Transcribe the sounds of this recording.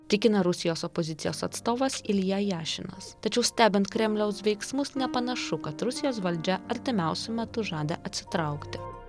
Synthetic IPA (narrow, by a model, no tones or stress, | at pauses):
t̪ʲɪkʲɪnɐɾʊsʲɪjoːsɔpozʲɪt̪sʲɪjoːsɐt̪st̪oːʋɐsɪlʲjɛːjæːʃʲɪnɐ̰st̪ɐt͡ʃʲɛʊsʲt̪ʲæːbʲɪnt̪̚kɾʲɛmʲlʲɛʊsʋʲɛɪksmʊsnʲɛpɐnɐʃʊkɐt̪ɾʊsʲɪjoːsʋɐlʲd͡ʒʲɛɐɾʲt̪ʲɪmʲɛʊsʲʊmʲɛt̪ʊʒɑːd̪ʲḛʔɐt̪ʲsʲɪ̥t̪ɾɐʊkt̪ʲɪ